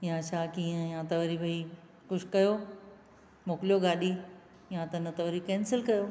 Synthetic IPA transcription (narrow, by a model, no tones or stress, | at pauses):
jãt͡ɕʰaːkiːɦə̃jãt̪ɐʋɐɾiʋɐi | kʊʃkɐjoː | moːklijoɡaːɗi | jãt̪ɐnət̪ɐʋɾikẽːnsɪlkɐjoː